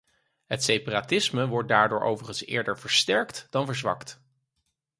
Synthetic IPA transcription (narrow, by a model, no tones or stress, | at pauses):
ɦətsejparatɪsməʋɔɹt̚daːɹdʊːɹʔo̰wvəχənsɪ̰ːɹdəɹvəɹstɛɹktd̥ɑnvəɹzʋɑ̰kt